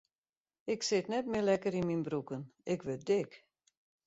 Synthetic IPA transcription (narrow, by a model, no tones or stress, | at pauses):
ɪksɪtnɛtmɪlɛkəɾinminbrukənɪkʋɪt̚dɪk